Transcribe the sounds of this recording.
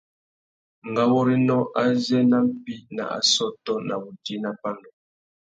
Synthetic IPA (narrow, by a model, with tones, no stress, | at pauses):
ŋ˨ɡa˦wɔ˦ɾi˦nɔ˦ʔa˦zɛ˦na˦m̩˦pi˦na̰˨a̰˨sɔ˦tɔ˦na̰˨bu˨di˦na˦pa˦ndɔ˨